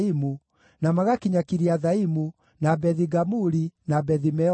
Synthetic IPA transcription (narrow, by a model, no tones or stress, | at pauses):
imu | namaɣakiɲakiɾiaðaimu | nabɛðiɡamuɾinabɛðimɛ